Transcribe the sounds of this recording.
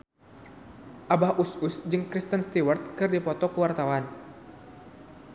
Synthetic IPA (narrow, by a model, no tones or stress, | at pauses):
ʔabahʔususd͡ʒɨŋkɾist̪ənst̪iwart̪̚kɨrdipɔt̪ɔkuwart̪awan